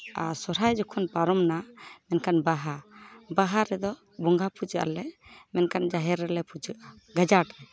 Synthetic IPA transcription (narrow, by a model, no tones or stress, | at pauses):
asɔɾajd͡ʒɔkʰɔnpaɾɔmnamɛnkanbaɦabaɦaɾɛd̪ɔ | bɔŋɡʱapud͡ʒəʔa̰lɛʔmɛnkand͡ʒaɦɛɾːɛlɛpud͡ʒəʔa | ɡad͡ʒaʈɛ